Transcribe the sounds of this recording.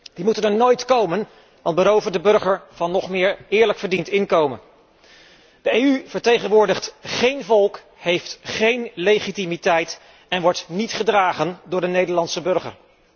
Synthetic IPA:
d̥imutənəɹnojtkowmən | ʋɑntbəɾowvədəbɵɹχəɹv̥ɑnːɔχmɪːɹɪːɹləkfəɹdintɪŋkowmən | d̥əejyv̥əɹtejχənʋʊːɹdəχtχejnvɔlˠk | hɦejftχejnlejχitimitɛjt | ɛnʋɔɹtnitχədraːχəndʊːɹdənejdəɹlɑnsəbɵɹχə̰ɹ

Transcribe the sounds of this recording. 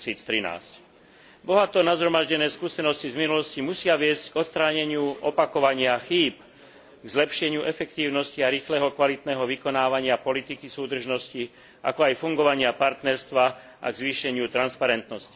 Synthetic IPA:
siːt͡st̪ɾina̰ːsc | bɔɦat̪ɔnazɦɾɔmaʒɟɛnɛːskuːsɛnɔscivminulɔscimusɪaʋɪɛzcɡɔt̪st̪ɾaːɲɛɲɪuʔɔpakɔʋaɲɪaxiːp | ɡzlɛpʃɛɲɪuʔɛfɛkt̪iːʊnɔsciaɾiːxlɛːɦɔkʋalit̪nɛːɦɔʋikɔnaːʋaɲɪapɔlit̪ikisuːd̪r̩ʒnɔsci | ʔa̰kɔajfuŋɡɔʋaɲɪapaɾt̪nɛɾst̪ʋa | a̰ɡzʋiːʃɛɲɪut̪ɾanspaɾɛnt̪nɔsci̥

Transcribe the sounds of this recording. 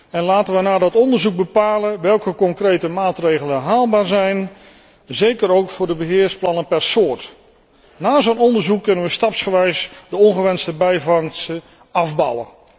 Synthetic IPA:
ɛnlaːtənʋənaːdɑtɔndərzuɡ̚bəpaːləʋɛlˠkəkɔŋkrejtəmaːtrejɣələnɦaːlˠbaːɹzɛjn | zejkəɾowkfʊːrdəbəɦɪːɹsplɑnəpɛrsoːɹt | naːzownɔndəzukːɵnənʋəstɑpsχəʋɛjsdəɔnχəʋɛnstəbɛjvɑŋsə | ɑvbɑ̰wə̰

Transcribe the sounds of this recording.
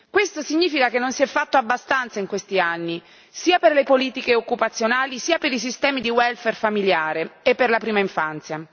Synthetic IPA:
kwest̪osiɲːiːfikakenːonsiɛfːat̪ːoabːast̪ant̪saiŋkwest̪ianːi | siːaperlepoliːt̪ikeokːupat̪sːjonaːlisiːapeɾisist̪ɛːmid̪iwɛlferfamiljaːɾeepːerlapɾiːmaiɱfant̪sja

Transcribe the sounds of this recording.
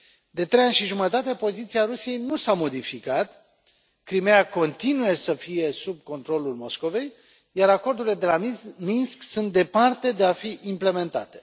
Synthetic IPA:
d̪e̞t̪ɾe̞janʲʃiʒumət̪at̪e̞po̞zit̪siaɾusije̞jnusamo̞d̪ifikat̪ | kɾimejako̞nt̪inuje̞səfije̞sub̚ko̞nt̪ɾo̞lulmo̞sko̞ve̞j | jaɾako̞rd̪ulile̞d̪e̞lamminsksunt̪̚d̪e̞part̪e̞d̪e̞afiʔimple̞me̞nt̪a̰t̪e̞̥

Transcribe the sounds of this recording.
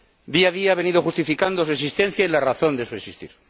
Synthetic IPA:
d̪iaðiaaβe̞niðo̞xust̪ifikand̪o̞sue̞s̬ist̪e̞n̟θjailaraθo̞nd̪esuesist̪ḭɾ

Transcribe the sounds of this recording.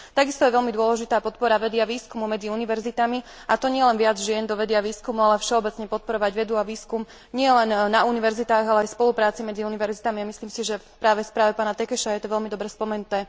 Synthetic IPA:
t̪aɡist̪ɔjɛʋɛʎmid̪ʊɔlɛʒit̪aːpɔt̪̚pɔɾaʋɛd̪ɪaʋiːskumumɛd͡ziuniʋɛɾzit̪ami | ʔat̪ɔɲɪɛlɛnʋɪad͡zʒɪɛnd̪ɔʋɛd̪ɪaʋiːskumualɛfʃɛɔbɛt͡sɲɛpɔt̪̚pɔɾɔʋaɟʋɛd̪uaʋiːskum | ɲɪɛlɛnːauniʋɛɾzit̪aːɣalɛajspɔlupɾaːt͡simɛd͡ziuniʋɛɾzit̪amiamisliːmsiʒɛfpɾaːʋɛspɾaːʋɛpaːnat̪ɛkɛʃajɛt̪ɔʋɛʎmid̪ɔbɾɛspɔmɛnut̪ɛː

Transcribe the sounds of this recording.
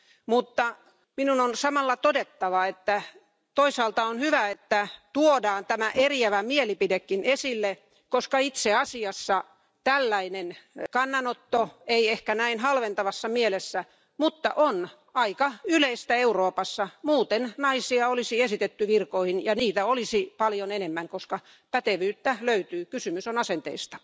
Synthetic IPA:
mut̪ːɑ | minunonsɑmɑlːɑt̪odet̪ːɑʋɑet̪ːæ | t̪oisɑːlt̪ɑonhyʋæet̪ːæt̪uodɑːnt̪æmæʔeriæʋæmielipidekːinesilːe | koskɑit̪seɑsiɑsːɑ | t̪ælːæinenkɑnːɑnot̪ːoeiehkænæinhɑlʋent̪ɑʋɑsːɑmielesːæ | mut̪ːɑ̰ʔon | ɑikɑyleist̪æeuroːpɑsːɑmuːt̪ennɑisiɑolisiesit̪et̪ːyʋirkoihinjɑniːt̪æolisipɑljonenemːæŋkoskɑ | pæt̪eʋyːt̪ːæløyt̪yːkysymysonɑsent̪ḛist̪ɑ̥

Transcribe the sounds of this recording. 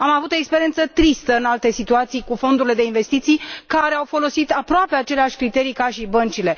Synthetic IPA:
amavut̪o̞ekspeɾie̞nt̪sət̪ɾist̪əɨnalt̪e̞sit̪uat̪sijkufo̞nd̪uɾile̞d̪e̞inve̞st̪it̪sijkaɾe̞awfo̞lo̞sit̪apɾoape̞at͡ʃe̞leaʃʲkɾit̪e̞ɾijkaʃibənt͡ʃile̞

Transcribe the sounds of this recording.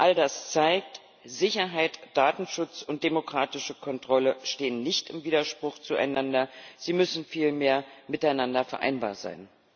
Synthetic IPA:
ʔaldast͡saɪk̚t | zɪçɐɦaɪtd̥aːtn̩ʃʊt͡sʊnt̚d̥emokʁ̥aːtɪʃəkʰɔntʁ̥ɔləʃteːənːɪçtɪmviːdɐʃpʁ̥ʊxt͡sua̰ɪnandɐz̥iːmʏsn̩fiːlmeːɐmɪtaɪnandɐfɛɐʔa̰ɪnba̰ːɐza̰ɪn

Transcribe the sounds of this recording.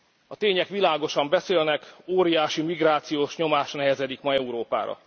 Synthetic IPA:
ɒt̪eːɲɛkʋilaːɡo̞ʃɒmbɛseːlnɛkoːɾijaːʃimiɡraːt̪sijoːʃɲo̞maːʃnɛɦɛzɛd̪ikmɒɛuɾoːpa̰ːɾɒ̰

